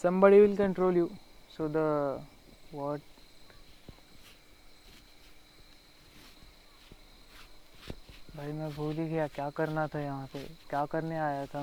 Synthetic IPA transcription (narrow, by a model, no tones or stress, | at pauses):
sɐ̃mbəɽiʋɪlkə̃ɳʈɾoːljuːsoːd̪ə | ʋəɾʈ | bʱaːimẽbʱuːliɡɐjakjaːkɐɾnat̪ʰajɐɦãpḛkjaːkɐɾneaːjat̪ʰa